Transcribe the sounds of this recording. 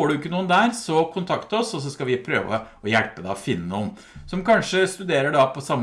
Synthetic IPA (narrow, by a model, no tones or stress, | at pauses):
oːɖʉɪkːənuːənd̪æːɾsɔkʰʊnt̪ʰɑkt̪ɔsɔs̬ɔskɑʋɪpʰɾø̰ːʋə̰ | ɔjælpəd̪ɑ̰ɔfɪnːənuːən | sɔmkɑnʂəst̪ʉd̪eːɾəɖɑpʰɔsɑmː